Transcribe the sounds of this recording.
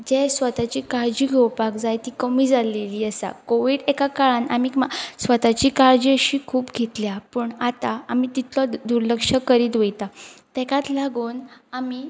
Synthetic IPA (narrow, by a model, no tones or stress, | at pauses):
d͡ʑesʋət̪at͡ɕiːkaɾd͡ʑiːɡʱewpakd͡zajt̪ikəmiːd͡zaleliːəsa̰koʋiːɽɛkakaɭãnamiːmasʋət̪at͡ɕiːkaɾd͡ʑəɕiːkʰuːpɡʱet̪ljapəɳat̪aamit̪it̪lɔd̪uɾləkʂəkəɾiːd̪ʋejt̪at̪ɛkat̪laɡuːnami